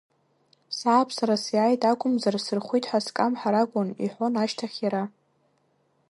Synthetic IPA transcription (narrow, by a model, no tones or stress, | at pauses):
saːpʰsaɾasjaːjtʼakʷʼʊmzarsɨrχʷijtʼħaskʼamħaɾakʷʼʊnḭħʷonaʃtʰaχʲjaɾa